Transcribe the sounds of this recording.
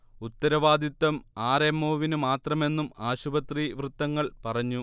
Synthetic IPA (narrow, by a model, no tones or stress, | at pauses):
ut̪ːɐɾɐʋaːd̪ʱit̪ːɐmaːremːoːʋinumaːt̪rɐme̞nːumaːɕubɐt̪riʋrɨt̪ːɐŋːɐɭpɐrɐɲːu